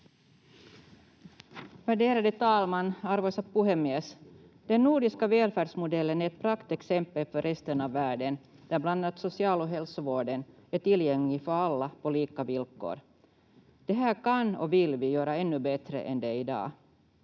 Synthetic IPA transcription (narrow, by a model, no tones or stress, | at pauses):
væɖeːɾad̪ət̪ʰɑːlmanːaɾvoːsapuɦɛmɛs | d̪̥ɛnːuːɖɪskaveːlfæːɖʂmʊd̪ɛlːənæɾɛt̪̚pʰɾakt̪ɛksɛmpːəlfœɾʔɛst̪ənɑvːæːɖən | d̪̥æɾbland̪at̪sɔsɪɑːloɦɛlsɔvoːɖənæʈɪljɛŋːɪfœɾalːapʰɔliːkavɪlko̰ːɾ | d̪̥ɛɦæːɾkanɔ̰vɪlvɪjøːɾaɛnːɵbɛt̪ɾə̰ʔɛnd̪ɛɪd̪ɑ̰ː